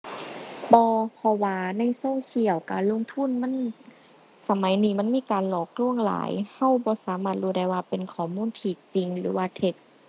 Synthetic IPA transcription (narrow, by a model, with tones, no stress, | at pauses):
bɔː˧pʰɔ˧waː˧na˧˥˨jso˧˥˨ŋkʰi˧˩əwkaː˨˧˩nlo˧˥˨ŋt̪ʰu˧˥˨nma˧˥˨n | sa˧ma˨˦jniː˧ma˧˥˨nmiː˧˥˨kaː˨nlɔː˧˨˩k̚lu˧˩əŋla̰ː˨˦jha˧˥˨wbɔː˧˦saː˨˦maː˧˩t̪̚ɾuː˧˩da˧˩jwaː˧pe˨nkʰɔː˧˩˦muː˧˥˨nt̪ʰiː˧t͡ɕi˨ŋlɯː˨˩˦waː˧t̪ʰe˧t̪̚